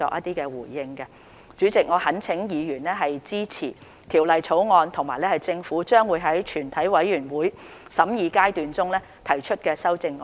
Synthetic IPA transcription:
ɔ̰ː˨kjʔɐ˥t̪iː˥kɛː˧wṵː˨˩jːɪ˧ŋkɛ˧ | t͡ʃyː˨˥t͡sɪ˨k̚ŋɔː˨˧hɐ˨˥nt͡sʰɪ˨˥ŋjiː˨˧jyː˨˩nlɛː˥ɦɐ˨jt͡siː˥t͡sʰiː˨˩ | t̪ʰiː˨˩wlɐ˨jt͡sʰo˨˥wŋɔː˧nt̪ʰʊ˨˩ŋma̰ː˨˩jlɛː˥hɐ˨jt͡sɪ˧ŋfuː˨˥t͡ʃœː˥ŋwuː˨˧jɦɐ˨˥jt͡ʃʰyː˨˩nt̪ʰɐ˨˥jwɐ˨˥jjyː˨˩nwuː˨˥j | sɐ˨˥mjiː˨˧kaː˥jt̪yː˨nt͡sʊ˥ŋlɛː˥ | t̪ʰɐ˨˩jt͡ʃʰɵ˥t̚kɛː˧sɐ˥wt͡sɪ˧ŋː

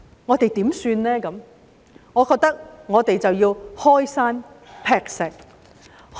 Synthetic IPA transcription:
ŋɔː˨˧t̪e˨jt̪iː˨˥msyː˧nlɛː˥kɐ˨˧m | ŋɔː˨˧kɔː˧k̚t̪ɐ˥k̚ŋɔː˨˧t̪e˨jt͡sɐ˨wjiː˧whɔː˥jsaː˥n | pʰɛː˧k̚sɪ˨k̚

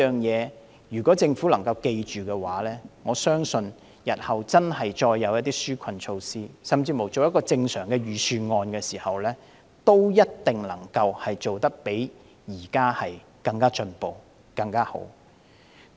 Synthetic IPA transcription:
œː˨ŋjɛː˨˧ | jyː˨˩kʷɔː˨˥t͡sɪ˧ŋfu˨˥lɐ˨˩ŋkɐ˧wke˧jt͡ʃyː˨kɛː˧wa̰ː˨˥lɛː˥ŋɔː˨˧sœː˥ŋsɵ˧n | jɐ˨t̚hɐ˨wt͡sɐ˥nɦɐ˨jt͡ʃɔː˧jːɐ˨˧wjɐ˥t̚t̪iː˥ksyː˥kʷʰɐ˨nt͡ʃʰo˧wsiː˥sɐ˨mt͡siː˧mo˨˩wt͡so˨wjɐ˥t̚kːɔː˧t͡sɪ˧ŋsœː˨˩ŋkɛː˧ɥyː˨˧syː˧nŋɔː˧nkɛː˧siː˨˩hɐ˨wlɛː˥ | t̪o˥wjɐ˥t̚t̪ɪ˨ŋlɐ˨˩ŋkɐ˧whɐ˨jt͡so˨wt̪ɐ˥k̚pe˨˥j | jiː˨˩kaː˥hɐ˨j | kɐ˧ŋkaː˥t͡ʃɵ˧npo˨w | kɐ˧ŋkaː˥ho̰˨˥w

